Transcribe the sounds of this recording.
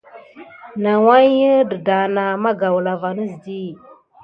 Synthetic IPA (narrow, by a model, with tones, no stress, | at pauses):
na˨wa˦ə˦də˨da˨na˨ma˦ɡa˨wla˨va˨nə˦zdi˦